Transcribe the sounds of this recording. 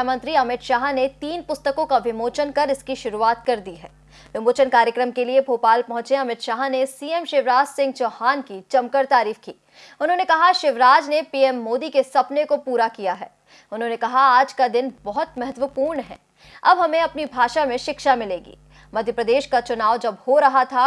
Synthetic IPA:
mɐ̃nt̪ɾiɐmɪt̪ʃaːɦnet̪iːnpʊst̪əkõkaʋɪmoːt͡ʃənkɐɾɪskiʃʊɾuaːt̪kɐɾd̪iɦɛː | ʋɪmoːt͡ʃənkaːɾjəkɾəmkeliebʱoːpaːlpɐ̃ɦʊ̃t͡ʃẽɐmɪt̪ʃaːɦnesiːɛmʃɪʋɾaːd͡ʒsɪ̃ŋɡ̚t͡ʃoːhaːnkit͡ʃɐmkəɾt̪aːɾiːfkiː | ʊnɦõːnekɐɦaʃɪʋɾaːd͡ʒnepiːɛːmːoːd̪ikesɐpnekopuːɾakijaɦɛː | ʊnɦõːnekɐɦaaːd͡ʒkad̪ɪnbɐɦʊt̪mɛɦɛt̪wəpuːɾnɦɛ̰ː | ɐ̰bɦɐmẽɐpnibʱaːʃamẽʃɪkʃamɪleːɡḭː | mɐd̪ʱjəpɾəd̪eːʃkat͡ʃʊnaːʋd͡ʒɐbhoɾɐɦat̪ʰa

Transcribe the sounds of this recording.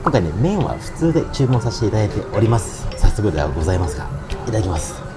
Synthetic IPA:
kõŋkainemẽ̞ɰ̃βa̰ɸɯ̟̥t͡sɨːd̪e̞t͡ɕɨːmõsaɕi̥t̪e̞it̪ad̪at̪e̞ʔo̞ɾʲimasɨ̥sasːo̞kɯ̟d̪ea̰ɡo̞zaimasɨɡa̰it̪ad̪akʲimasɨ̥

